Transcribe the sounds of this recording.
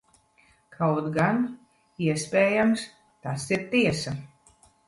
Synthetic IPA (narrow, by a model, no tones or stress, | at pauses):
kʰawt̪ɡan | iɛspʲɛːjams | t̪asiɾt̪iɛsa